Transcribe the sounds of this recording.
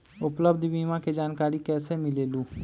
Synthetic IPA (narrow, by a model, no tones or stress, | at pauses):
ʊpləbd̪ʱbiːmãked͡ʒaːnkaːɾikɛːsemɪleːluː